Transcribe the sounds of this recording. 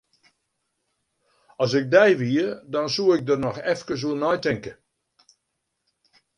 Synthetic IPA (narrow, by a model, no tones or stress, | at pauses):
ɔsɪk̚dɛjʋiədɔnsuəɪk̚dənɔxɛfkəs̬uənɔjtɪŋkə